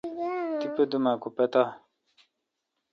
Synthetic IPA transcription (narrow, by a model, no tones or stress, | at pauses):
t̪ipəd̪umakopet̪a